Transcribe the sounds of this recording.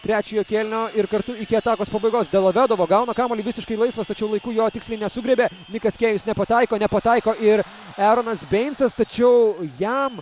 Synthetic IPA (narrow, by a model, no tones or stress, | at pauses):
t̪ʲɾʲæːt͡ʃʲɛjoːkʲeːlʲnʲoːɪɾkɐɾt̪ʊɪkʲɪɐt̪ɑːkoːspɐbɐɪɡoːsd̪ɛlˠɐʋʲæːd̪ɐʋoːɡɐʊnɐkɑːmoːlʲɪʋʲɪsʲɪʃkɐɪlˠɐɪsʋɐst̪ɐt͡ʃʲɛʊlˠɐɪkuːjoːt̪ʲɪksʲlʲɛɪnʲɛsʊɡɾʲɛbʲeː | nʲɪkɐskʲeːjʊsnʲɛpɐt̪ɑɪkoːnʲɛpɐt̪ɑɪkoːʔɪɾ | æːɾoːnɐsbʲɛɪnʲsɐst̪ɐt͡ʃʲɛʊjæm